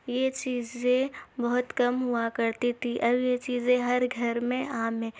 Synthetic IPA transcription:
jet͡ʃiːzẽbɐɦʊt̪kɐmɦuakɐɾt̪it̪ʰiʔɐbjet͡ʃiːzẽɦɐɾɡʱɐɾmẽʔaːmɦɛ̃ː

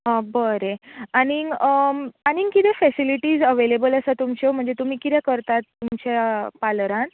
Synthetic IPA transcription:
əbəɾeañiɡəañiŋkit̪ɛfɛsiliʈiːzəʋelebələsat̪umt͡ɕom̤əɳd͡zet̪um̤iːkit̪ɛ̃kəɾt̪at̪ːumt͡ɕapalɾãn

